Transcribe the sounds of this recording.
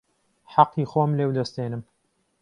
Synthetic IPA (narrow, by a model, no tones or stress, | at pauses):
ħɑqːiːxoːmleːwd̪ɐst̪eːnɨm